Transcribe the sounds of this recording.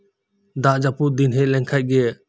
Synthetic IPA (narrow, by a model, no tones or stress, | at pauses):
d̪aʔd͡ʒapuʔd̪inɦɛʔlɛŋkʰajt̚ɡɛ